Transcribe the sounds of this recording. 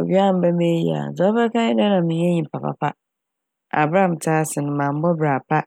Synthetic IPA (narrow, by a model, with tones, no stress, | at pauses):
o˨bi˦a˦˨m̩˦bɛ˦me˦jḭ˦a̰˨d͡zɔ˦fɛ˦kã˦ɪ˦dɛ˦nã˨mĩ˨˦ɛ˦ɲĩ˨pʰa˨pa̰˨pʰa˦ | a̰˨bɾã˦˨m˨tʰaː˦sɪ˨nʊ̃˨mã˨m˦bɔ˦bɾaː˨pʰa˦